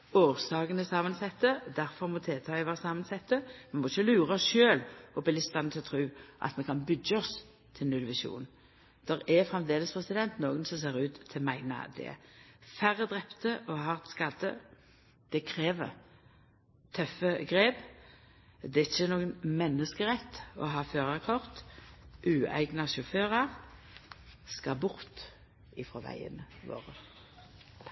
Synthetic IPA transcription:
oːʁsɑːɡənəsɑːmənsɛt̪ːəd̪æɾfɔʁmɔt̪ʰeːlt̪ʰɑːɪʋæːʁsɑːmənsɛt̪ːəmɛnmɔɪçːəlʉːɾɑɔsʃøːlɔbɪlɪst̪ɑnt̪ʰɪlɔt̪ʰɾʉːʔɑ̰t̪mɛnkʰɑnbʏɡːəɔs | t̪ʰɪlnʉlʋɪʃṵːn | d̪̥ɛɾɛfʁɛmd̪eːləspʰɾɛsɪd̪ɛnt̪noːɡənsɔms̬eːɾʉːt̪ʰːɪlmæɪnɑ̰d̪ɛ̰fæʁːəd̪ʁɛpt̪əʔɔɦɑːʁɛt̪skɑd̪ə | d̪̥ɛkʰɾeːʋə̰ʁ | t̪ʰœfəɡʁeːb | d̪ɛɪçːənoːɡənmɛnːəskəʁɛt̪ːɔ̰ɦɑːføːʁɑkʰɔʁt̪ʔʉːæ̰ɪɡnɑʃɔføːʁɑ | skɑbʊʁt̪ | ɪfʁɔʋæ̰ɪə̰nəʋo̰ːʁə

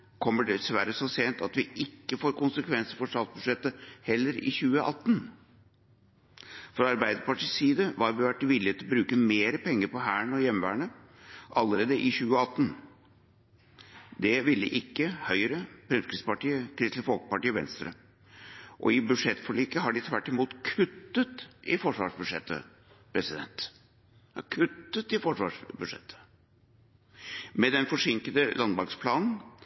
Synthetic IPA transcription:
kʰɔmːəɖɛsʋæɾəsɔseːnt̪ɑt̪ʋɪʔɪkːəfoːɾkʊnsəkʰʋɛnsəɾfɔʂɑt̪t̪̚bʉd̪ʂɛt̪ːəhɛlːəɾɪ̰çʉːəʔɑt̪ːn | fɾɔɑɾbæɪd̪əɾpɑʈiːsiːd̪əʋɑɾʋɪʋæʈːɪʋɪlːɪeːt̪lɔbɾʉːkəmeːɾəpʰɛŋːəɾpɔɦæːɳɔjɛmʋæ̰ːɳə | ʔɑlːəɾeːd̪əʔɪçʉːəɑt̪ːən | d̪ɛʋɪlːə̰ʔɪkːəhœʏɾəpʰɾɛmkɾɪspɑʈiːəkʰɾɪst̪ləfɔlkə̥pɑʈiːəʋɛ̰nst̪ɾə̰ | ʔɔ̰ɪbʉʂɛt̪fɔɭiːkəɦɑɖɪt̪ʰʋæʈːɪmuːt̪kʰʉt̪ːət̪ɪfɔʂʋɑ̰ːʂbʉdʂɛt̪ːə̰ | pʰɾɛsɪd̪ɛ̰nt̪ | kʰʉt̪ːət̪ɪfɔʂʋɑ̰ʂbʉʂɛ̰t̪ʰːə̥ | mɛd̪ɛnfɔʂɪŋkəd̪əlɑnbɑkspʰlɑːnn̩

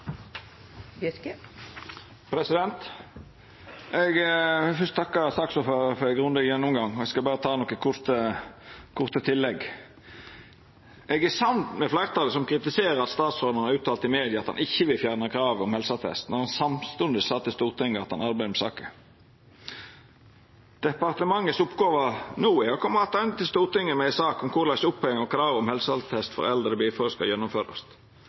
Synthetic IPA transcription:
pʰɾɛsɪd̪ɛnt̪ | ɛɡfʉst̪̚t̪ʰɑkːɑɾsɑksɔføɾəfɔɾɛɡɾʊnd̪əjɛnːɔmɡɑŋɔɛɡskɑlbɑːɾət̪ʰɑːnɔkːəkʰʊɾt̪ə | kʰʊʁt̪ət̪ʰɪlːɛɡ | ʔɛɡæsɑnt̪mɛflæɪʁt̪ʰɑːləsɔmkʰɾɪt̪ɪseːɾəɾɑt̪st̪ɑːt̪sɔd̪ɑnɑɾʉːt̪ʰːɑːlt̪ɪmeːd̪ɪjɑɑt̪hɑ̰nʔɪçːəʋɪlfjæːʁnəkʰɾɑːʋɔmhɛlsɑt̪ʰɛ̰st̪nɔʁhɑnsɑmst̪ʉnd̪ɪsɑːt̪ʰːɪst̪uːʁt̪ʰɪŋːəɑt̪hɑnɑɾbæɪd̪mɛsɑ̰ːkə | d̪̥ɛpɑʁt̪əmɑŋːəsʊpɡoːʋənuːɪɔkʰɔmːəɑt̪ɑnt̪ʰɪlst̪uːʁt̪ʰɪŋːəmɛɪsɑːkɔmkʰʊʁlæɪsʊpʰːɔɛŋɔkɾɑːʋɔmhɛlsəɑlt̪ʰɛst̪fɔ̰ɾɛ̰ld̪ʁəəbiːfɔɾəskɑ̰jɛnːʊmføːɾɑ̰st̪

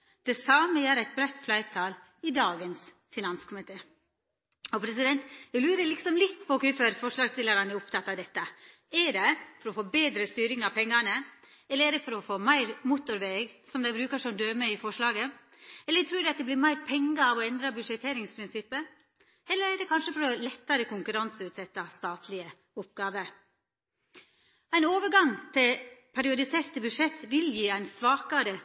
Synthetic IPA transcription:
d̪̥ɛsɑːməjæːɾæɪt̪̚bɾæt̪ːflæɪɾt̪ʰɑːl | ɪd̪ɑːɡəns | fɪnɑnskʰʊmɪt̪ʰeː | ɔpʰɾɛsɪd̪ɛnt̪ɛɡlʉːɾəlɪksɔmlɪt̪ːpʰɔkʉføɾfɔʂlɑːɡst̪ɪlːəɾɑnɛɾʊpt̪ʰɑt̪ːɑʋd̪ɛt̪ːə | ɛɖɛfɔɾɔfoːbeːd̪ɾəst̪yːɾɪŋɑʋpʰɛŋːɑnə | ɛlːəɾɛɖɛfɔɾɔfoːmæɪɾmut̪ʊɾʋeːɡsɔmd̪æɪbɾʉːkəʂɔmd̪øːɾmɛɪfɔʂlɑːɡə | ɛlːət̪ʰɾʉːd̪ɛɑt̪̚d̪ɛblɪɾmæɪɾpʰɛŋːɑɑʋɔɛnd̪ɾɑbʉdʂɛt̪ʰːeːɾɪŋspʰɾɪnsɪpːə | ɛlːəɾɛɖɛkʰɑnʂəfɔɾɔlɛt̪ːɑɾəkʊŋkʉɾɑnsəʉːt̪sɛt̪ːɑst̪ɑːt̪ʰlɪə | ʊp̚ɡɑːʋə | æɪnoːʋəɾɡɑŋt̪ʰɪlpʰæɾɪʊd̪ɪseːɾt̪əbʉʂɛt̪ːʋɪljiːæɪnsʋɑːkɑɾə

